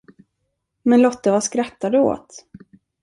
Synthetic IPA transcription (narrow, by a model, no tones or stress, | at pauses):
mɛnlɔt̪ːəvaskɾat̪ːad̪əo̰ːt̪